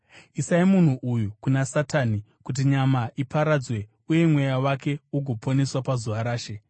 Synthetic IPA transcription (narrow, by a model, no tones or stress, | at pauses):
isaimun̤uʔujukunasataːni | kut̬iɲamaipaɾad͡zwe̞ | uje̞mwe̞jawake̞uɡʱo̞pʰo̞ne̞swapazuʋaɾaːʃe̞